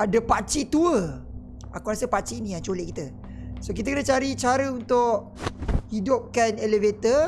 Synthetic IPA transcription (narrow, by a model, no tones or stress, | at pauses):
adapat͡ʃit̪uə | akuɾasəpat͡ʃiːnĩat͡ʃoleʔkit̪ə | sokit̪̬əkənət͡ʃaɾit͡ʃaɾəunt̪ʊʔ | hidʊp̚kanelevet̪ə